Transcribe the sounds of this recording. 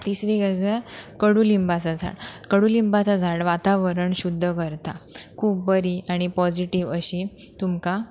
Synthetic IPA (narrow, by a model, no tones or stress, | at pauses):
t̪isɾiɡad͡zakəɽuːlimbat͡sad͡zʱa̰ɽkəɽulimbat͡sad͡zʱaɽʋat̪aʋəɾəɳɕud̪ʱːəkəɾt̪akʰuːp̚bəɾiaɽ̃ipɔd͡ʑiʈiʋəɕit̪umka